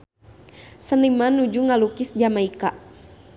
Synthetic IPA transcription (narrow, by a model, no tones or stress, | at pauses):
sənimanud͡ʒuŋalukisd͡ʒamaika